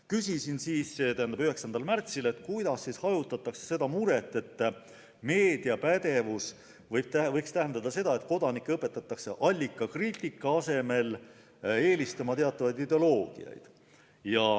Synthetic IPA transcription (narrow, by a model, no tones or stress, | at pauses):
kysisinsiːsset̪æhænd̪ɑbyɦe̞ksɑnd̪ɑlmært̪sile̞t̪ːˑkujd̪̥ɑsːishɑjut̪ːˑɑt̪ːˑɑkse̥se̞d̪ɑmuɾe̞t̪ːˑe̞t̪ːˑ | me̞ːd̪̥iɑpæd̪e̞vus | vɤjb̥̚t̪ævɤjkst̪æɦend̪̥ɑd̪ɑse̞d̪̥ɑe̞t̪ko̞d̪̥ɑnikːˑeɤpːˑe̞t̪ːˑɑt̪ːˑɑkseʔɑlʲːikːˑɑkriːt̪ːˑikˑːɑɑse̞me̞l | e̞ːlʲist̪ɑmɑt̪e̞ɑt̪ːˑɑvɑjd̪id̪e̞o̞lo̞ːɡ̥ḭɑ̰jd̪̥ | jɑ